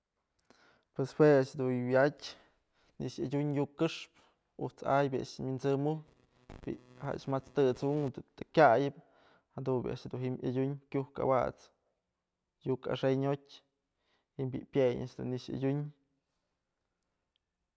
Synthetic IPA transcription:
pwesweaʔʂhd̪uwatʲ | niʔʂjadʲuɲjukːɨʂp | ṵt͡sa̰jbʲia̰ʔʂminzɨmu | bḭʔha̰ʔa̰ʃmat͡st̪ɨt͡suʔŋd̪ut̪akʲajɨp | had̪unbʲjḭʔa̰ʔʂhd̪unɦima̰dʲuɲkʲuhka̰wa̰t͡s | juka̰ʂejɲotʲ | himbʲipʲjeja̰ʔʂd̪ṵnːiʂa̰dʲuɲ

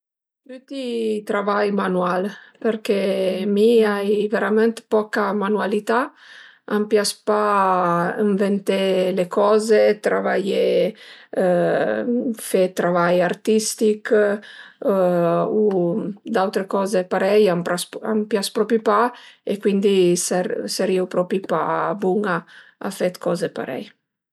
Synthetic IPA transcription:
t̪yt̪it̪ɾavajmanualpeɾkemiajveɾamɛnt̪pɔkamanualit̪a | ampjaspa | iɱvent̪elekɔːzet̪ɾa̰vaje | fet̪ɾavajaɾt̪ist̪ik | ud̪awt̪ɾekɔːzepaɾɛjampɾasa̰mpjaspɾɔpipaekwind̪isaseɾiwpɾɔpipabuŋaa̰fet̪kʰɔzepa̰ɾɛ̰j

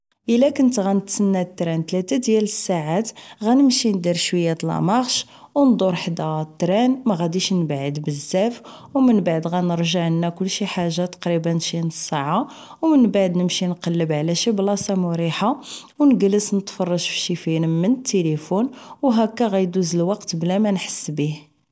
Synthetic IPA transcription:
ʔəlːækənt̪ɣænət̪sənːæt̪ːɾænt̪læt̪æd̪jæləsːaʕat̪ɣænəmʃind̪iɾʃwəjːæt̪lɑ̰mɑɣʃ | wnd̪ˤoɾˤħd̪æt̪ːɾænmæɣæd̪iʃnbʕəd̪bəzːæfwmənbaʕd̪ɣænəɾʒəʕənːækʊlːʃiħaʒːat̪ɑ̥qɾibənːʃinəsˤːaʕa | wmənbaʕd̪nəmʃinqɑlːəbʕlæʃiblɑsɑmʊɾiħa | wnəɡləsnət̪fɑrˤːɑʒfi̥ʃifinəmːənət̪ːelifunwɦækːæɣæjd̪uzəlwɑqt̪blæmænħə̥sːbih

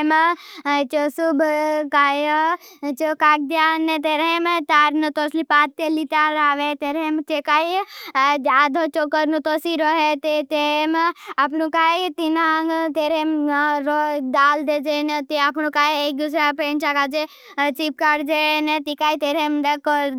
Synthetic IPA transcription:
m | t͡ʃosubʱkaːj | t͡ʃokaːk̚d̪janːet̪eɾemt̪aːɾnət̪oːslipaːt̪ːelit̪aɾaːʋet̪eɾemt͡ʃekaːid͡ʒaːd̪ʱot͡ʃokəɾnũt̪osiɾoɦet̪et̪eemapnũkaːjt̪inaŋɡt̪eːɾemɾod̪aːld̪ed͡ʒenet̪iapnũkaːjek̚d̪us̬apeːnt͡ʃakad͡ʒe | t͡ʃip̚kaːɖd͡ʒenet̪ikaːit̪eːɾemd̪ek

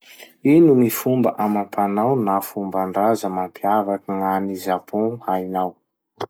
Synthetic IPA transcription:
inumifumbəʔamap̪ʰanawnafumbaɳɖ͡ʐazəmampʰiavakəŋanizapuajnaw

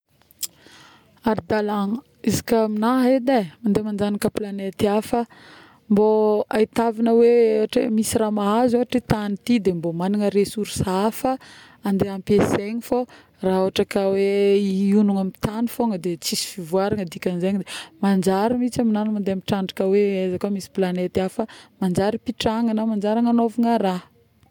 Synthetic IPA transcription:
aɾid̪alaŋə | izi̥kʲaminaɦed̪amand̪emand͡ʒanikəplanet̪iafə | mboait̪avinəweewaʈ͡ʂḛmisiramaɦazoɦaʈ͡ʂit̪anit̪id̪embomaniŋəɾesuɾsafə | and̪eampeseɲifo | raoaʈ͡ʂakaweiunuŋamit̪anifoŋəd̪et͡sisi̥fivuaɾaŋəd̪ikʲanzeɲd̪emand͡ʒaɾimit͡saminanumand̪eamiʈ͡ʂaɳɖ͡ʐakəweazakomisi̥planet̪iafəmand͡ʒaɾipiʈ͡ʂaŋanəmand͡ʒaɾaŋanovuŋəɾa

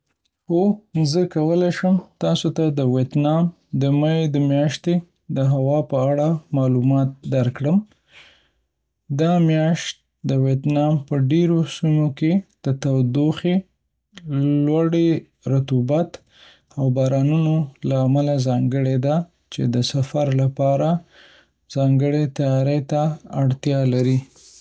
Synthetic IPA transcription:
xozəkawəlajʃəmt̪ɑsot̪ad̪əwet̪nɑm | d̪əmajed̪əmjɑʃt̪e | d̪əɦawɑpəaɽamɑlumɑt̪̚d̪aɾkɽəm | d̪ɑmjɑʃt̪̚ | d̪əwjet̪nɑmpəɖeɾosimoked̪̥ət̪awd̪oxe | lwaɽe | ɾat̪ubat̪ | awbɑɾɑnunolaːmalazɑŋɡəɽed̪a | t͡ʃḛd̪əsafaɾlapɑɾa | z̥ɑŋɡəɽet̪ajɑɾet̪aaɽt̪jɑlaɾi

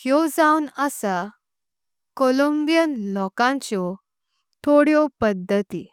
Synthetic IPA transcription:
hjɔd͡zaunəsa | kɔlombijənlɔkãɲt͡ɕɔ | t̪ʰoɽjɔpəd̪ʱːət̪i

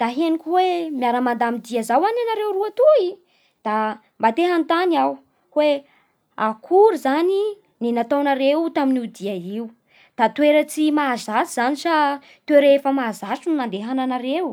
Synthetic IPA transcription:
d̪̥aɦenikʲiwemjaɾəmand̪amid̪iazawananaɾewruat̪ui | d̪̥a | mbat̪eɦant̪aniaw | we | akʰuɾuzani | ninat̪awnaɾewt̪aminiud̪iaiu | d̪̥at̪weɾət͡simaːzasiz̥anisa | t̪weɾefəmaːzaʈ͡ʂunnand̪eɦananaɾew

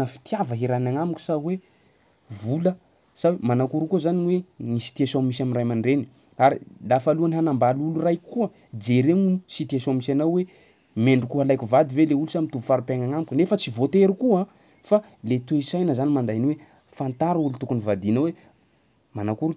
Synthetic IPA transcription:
əfi̥t̪javəɦiɾanaŋamuku̥sawe | vulə | sawemanakuɾukuzaniweŋisi̥t̪iasomisaminrajmaɳɖ͡ʐeni̥ | aɾilaːfaluaniɦanambalulurajkuə | d͡zeɾenusit̪iasomisanawwe | meɳɖ͡ʐukuɦalajkʲuvad̪iveleulusamit̪uvu̥faɾupaŋaŋamukʲunefət͡sivot̪eɾukua | fa | let̪weisajnəzanimand̪ainiwe | fant̪aɾulut̪ukunivad̪inawe | manakuɾu

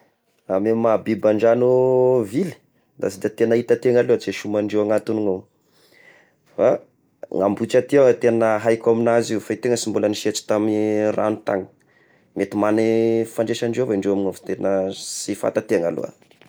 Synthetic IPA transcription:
amemabibaɳɖ͡ʐanuvil̥ | d̪a̰sid̪at̪enəit̪at̪eŋaluat͡seʃumaɳɖ͡ʐewaŋat̪uniŋo | fa | ŋambut͡ʃat̪iaŋət̪enəɦajkaminazifait̪eŋəsimbuləniʃet͡si̥t̪amira̰nut̪a̰ŋə̥ | met̪imanifaɳɖ͡ʐeʃaɳɖ͡ʐevaiɳɖ͡ʐewaminoft̪enəsifa̰t̪at̪eŋa̰lṵa̰

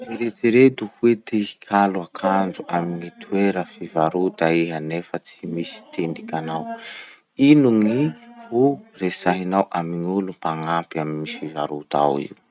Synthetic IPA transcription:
miɾet͡siɾed̪uhuwed̪ei̥kʰaluakʰand͡zuʔaminit̪ʰueɾəfivaɾud̪aiɦanefət͡simisi̥t̪ʰeɳɖ͡ʐikʲanaw | inuŋihuresaɦinawʔamiŋulupaŋapiaminifiva̰ɾut̪a̰wḭw

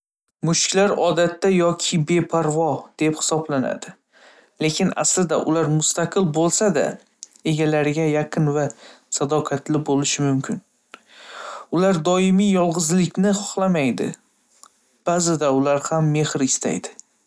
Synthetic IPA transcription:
mʊʃkʲlaɾɒd̪at̪ʰːajɒkʲʰɪbe̞pʰaɾvɒd̪̥e̞phɪ̥sɒblana̰d̪ɪ | le̞kʲʰɪna̰slɪd̪a̰ʔʊ̰laɾmʊst̪aqʰɨlˠbolˠsad̪a̰ | e̞ɡʲalaɾɪɡʲajaqʰɨnva | sad̪ɒqʰat̪lɪbolɪʃɪmʊmkʲʰɪn | ʊlaɾd̪ɒɪmijjɒlˠʁɨzlɪkʲnɪχɒχlˠamajd̪ɪ̰ | b̥azɪd̪aʊlaɾhamːe̞hɾɪst̪ʰa̰jd̪ɪ

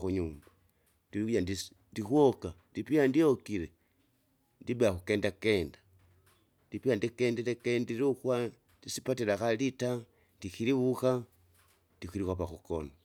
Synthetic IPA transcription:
xuɲuːmba | diujandi | ndixwoka | dipiandiokiɾe | ndiβeaxukeːndakeːndḁ | ndipiandikeːndeɾekendiɾuxwa | ndisipatiɾaxalita | ndixiɾiβuxa | ndixiɾixwapaxuko̰no

